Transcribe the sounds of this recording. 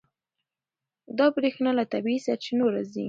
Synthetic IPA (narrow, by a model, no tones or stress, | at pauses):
d̪ɑbɾexnalat̪abiisat͡ʃenoɾazi